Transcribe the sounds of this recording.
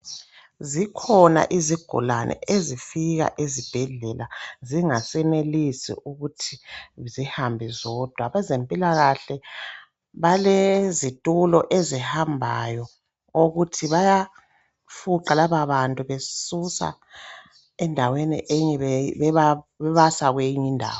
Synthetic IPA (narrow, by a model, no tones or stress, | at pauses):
zikʰɔna̰ʔiziɡ̥ʱṵlanʔɛ̰ezifiɣa̰ʔezib̥ʱɛɮɛlʔaziŋasɛnelisḭʔuɣutʰizihambʱizɔd̥ʱwaβɛzempʼilaɣaɬɛ | βalɛzitʼulɔʔezihambʱajɔ | oɣutʰiβaja | fuǃalaβaβantʼuβesusa̰ | ɛndʱawenḭʔeɲiβaβɛβasaɣwejiɲindʱa̰ːw